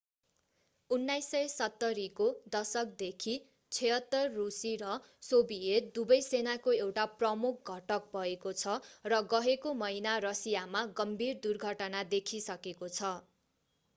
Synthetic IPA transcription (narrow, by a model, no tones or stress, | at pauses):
unːajsːʌjsʌt̪ːʌɾikod̪ʌsʌk̚d̪ekʰi | t͡sʰeɦʌt̪ːʌrːusiɾʌ | sobiet̪̚d̪ubʌjsenakoewʈaprʌmuk̚ʰɡʱʌʈʌk̚bʱʌekot͡sʰʌrʌɡʌɦekomʌɦinarʌsijamaɡʌmbʱird̪urɡʱʌʈʌnad̪ekʰisʌkekot͡sʰʌ